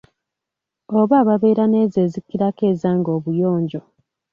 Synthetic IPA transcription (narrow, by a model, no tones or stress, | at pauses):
oβaːβaβe̞ːɾane̞ːzeːzikːiɾake̞ːzaːŋɡo̞ːβujo̞ːɲɟo̞